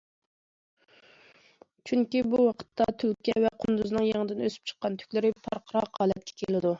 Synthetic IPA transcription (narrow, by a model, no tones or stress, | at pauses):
t͡ʃʰyŋkʲibuwɑqʰə̥t̪ːɑt̪ʰylkʲɛvɛqʰʊnd̪uznɨŋjeŋəd̪ɪnøsy̥p̚t͡ʃʰə̥qːɑnt̪ʰy̥kʲlɪɾɪpʰɑɾqʰəɾɑqhɑːlˠɛt̪̚kʲʰɛ̥kʲʰelɪd̪u